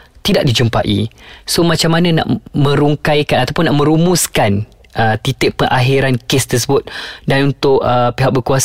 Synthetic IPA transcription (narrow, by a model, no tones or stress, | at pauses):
t̪idaʔ̚did͡ʒumpaʔḭsomat͡ʃamːanãna̰ʔmə̃ɾuŋkajkanat̪apʊnːaʔmə̃ɾumuskan | ət̪it̪ɪʔ̚pəŋʔaɦiɾankɪst̪ərs̬əbʊt̪̚danunt̪ʊʔəpeɦaʔk̚bəkuas